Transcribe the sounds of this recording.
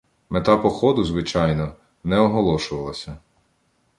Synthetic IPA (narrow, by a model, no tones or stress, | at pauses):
met̪ɑpɔxɔd̪ʊzʋɪt͡ʃɑjnɔ | nɛɔɦɔlˠɔʃʊʋɐlˠɐsʲɐ